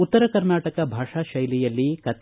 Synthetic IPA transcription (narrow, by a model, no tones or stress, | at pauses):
ut̪ːɐɾɐkɐɾnaːʈɐkɐbʱaːʂaːʃɐjlijɐlːikɐt̪